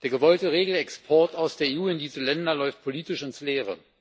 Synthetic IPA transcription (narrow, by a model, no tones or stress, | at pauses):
d̥eːɐɡəvɔltəʁeːɡl̩ɛkspʰɔɐtaʊsd̥eːɐeːuːɪndiːzəlɛndɐlɔʏft̚pʰoliːtɪʃɪnsleːʁə̰